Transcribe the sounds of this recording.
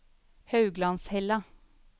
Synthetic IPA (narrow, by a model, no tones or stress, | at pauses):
hɑʉɡlɑnshɛlɑ